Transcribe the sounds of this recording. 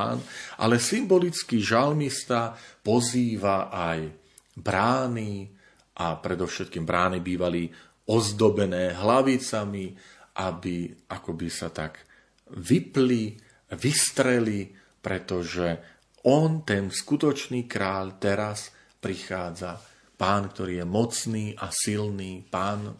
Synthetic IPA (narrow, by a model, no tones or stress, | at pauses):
nʔa̰lɛsimbɔlit͡skiʒalmist̪apɔziːʋaʔaj | bɾaːni | ʔapɾɛd̪ɔʊʃɛt̪̚kiːmbɾaːnibiːʋali | ɔzd̪ɔbɛnɛːɦlaʋit͡sami | ʔabiʔakɔbisat̪aɡ | ʋipli | ʋist̪ɾɛli | pɾɛt̪ɔʒɛ | ʔɔnt̪ɛnskut̪ɔt͡ʃniːkɾaːʎt̪ɛɾas | pɾixaːd͡za | paːnkt̪ɔɾiːjɛmɔt͡sniːʔasilniːpaːn